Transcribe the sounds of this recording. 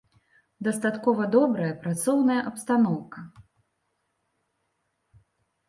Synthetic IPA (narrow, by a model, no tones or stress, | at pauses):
d̪ɐst̪at̪kɔvɐd̪ɔbɾɐjɐpɾat̪sɔwnɐjɐʔɐpst̪anɔwkɐ